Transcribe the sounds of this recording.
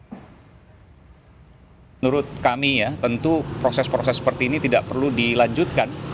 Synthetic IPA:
mənuɾʊt̪̚kamijat̪ənt̪upɾosɛspɾosɛsə̥pərt̪iːnit̪idaʔpərludilaɲd͡ʒut̪̚kan

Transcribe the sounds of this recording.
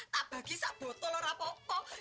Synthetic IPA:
t̪ab̥a̤ɡ̥isaʔb̥ɔ̤t̪ɔlɔɾapɔkɔ

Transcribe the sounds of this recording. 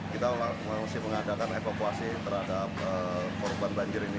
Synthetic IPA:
kit̪aulamaasɪhməŋadakanefakuasit̪ərhadap̚əkɔrbanbaɲd͡ʒɪɾini

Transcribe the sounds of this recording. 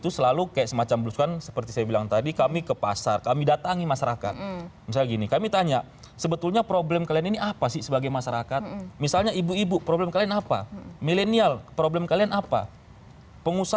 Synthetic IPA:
it̪usəlalukajaʔsəmat͡ʃambəluskansə̥pərt̪isajabilaŋt̪adikamikəpa̰sarkamidat̪aŋimaʃaɾaka̰t̪̚misalɡinikamit̪aɲaʔ | səbət̪ulɲapɾoblɛmkalianiniʔapasɪhsəbaɡajmaʃaɾakat̪misalɲaibuibupɾoblɛmkalianapa̰milenialpɾoblɛmkalianapa̰ | pəŋusa

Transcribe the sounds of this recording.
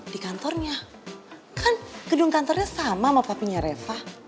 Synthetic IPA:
d̥ikant̪ɔrɲa | kʰanɡ̥ədʊŋkant̪ɔrɲasamamapapiɲaɾefa

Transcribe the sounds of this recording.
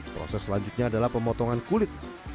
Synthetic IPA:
pɾɔ̰sɛslaɲd͡ʒut̪̚ɲaːdalahpəmɔt̪ɔŋankulɪt̪̚

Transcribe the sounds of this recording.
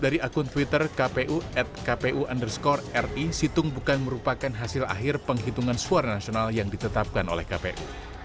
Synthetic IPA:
daɾiʔakunt̪uwit̪ərkapeʔuɛt̪̚kapeʔuʔandərskɔrɛrisit̪ʊŋbukanməɾupakanɦasɪla̰ɦɪrpəŋɦit̪uŋansuarnasionaljaŋdit̪ət̪ap̚kano̰lɛ̰hkapeʔṵ

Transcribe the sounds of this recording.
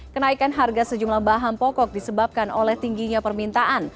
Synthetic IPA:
kənaikanɦarɡasəd͡ʒumlahbaɦampɔkɔk̚disəbap̚kanolɛht̪iŋɡiɲapərmint̪aʔan

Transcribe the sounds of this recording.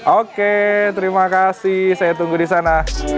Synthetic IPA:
ʔoket̪əɾimakasɪhsajat̪uŋɡudisana

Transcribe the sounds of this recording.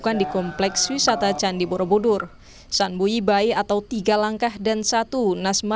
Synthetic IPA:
kandikɔmplɛkswisat̪at͡ʃandibɔɾobodʊr | sanbuibaiat̪awt̪iɡalaŋkahdansat̪unasma

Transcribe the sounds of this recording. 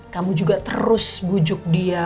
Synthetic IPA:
kamud͡ʒuɡat̪ə̰ɾʊsbud͡ʒʊk̚dia

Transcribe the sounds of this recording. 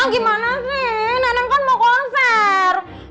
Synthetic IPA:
aŋɡimanasɪnanaŋkanmɔkɔnsɛr

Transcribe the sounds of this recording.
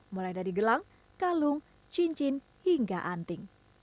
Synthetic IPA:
mulajdadiɡəlaŋ | kalʊŋ | t͡ʃiɲt͡ʃɪn | hiŋɡaʔant̪ɪŋ

